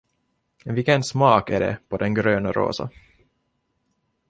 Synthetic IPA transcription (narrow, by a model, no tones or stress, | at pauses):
vɪkːɛnsmɑːkæɖɛ̰pʰɔd̪ɛnɡɾøːnaɾo̰ːsa̰